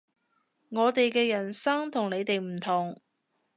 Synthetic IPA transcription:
ŋɔː˨˧t̪e˨jkɛː˧jɐ˨˩nsɐ˥ŋt̪ʰʊ˨˩ŋne˨˧jt̪e˨jm̩˨˩t̪ʰʊ˨˩ŋ

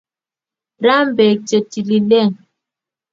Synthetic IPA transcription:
ɾa˦m̩˦bɛ˨t͡ʃe˨ti˨li˨lɛ˦˨ŋ

